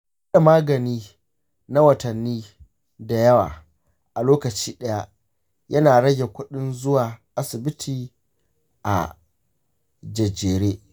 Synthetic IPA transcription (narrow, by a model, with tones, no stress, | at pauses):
ɐ˦ɗa˨maː˦ɡɐ˨niː˦ | na˦wɐ˨tɐ˨nːiː˦ | da˨jɐ˦wa̰ː˨ | ʔa˨loː˦kɐ˨t͡ʃiː˦ɗɐ˦ja˦ʔ | jɐ˦naː˨ɽɐ˦ɡʲe˨kʷʊ˦ɗɪ˦nzʊ˦waː˨ʔa˦sɪ˨bɪ˦tʰiː˨ | ʔa̰˨ | d͡ʒɐ˨d͡ʒeː˨ɾeː˦